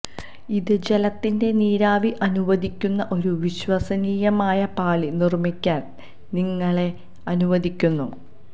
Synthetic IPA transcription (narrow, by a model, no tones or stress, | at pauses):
iðɨd͡ʑelɐt̪ːinde̞niːɾaːʋiʔɐnuʋɐd̪ʱikʲːunːɐʔo̞ɾuʋiɕwɐsɐniːjɐmaːjɐpaːɭinirmikʲːaːn | niŋːɐɭe̞ | ɐnuʋɐd̪ikʲːunːu